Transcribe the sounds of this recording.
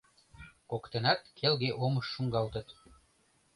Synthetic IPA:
kokt̪ɤ̆nɑt̪kʰelɣeʔomɤ̆ʃːuŋɡɑlˠt̪ɤ̆t̪

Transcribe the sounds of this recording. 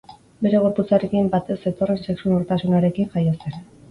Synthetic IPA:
be̞ɾe̞ɣ̞o̞ɾput͡saɾe̞kimbat̪e̞se̞t̪o̞re̞nse̞ksunoɾt̪asunaɾe̞kiŋʝajosen

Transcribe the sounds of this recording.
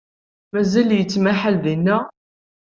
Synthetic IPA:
mæzæljət͡sːmæħalðinːæ

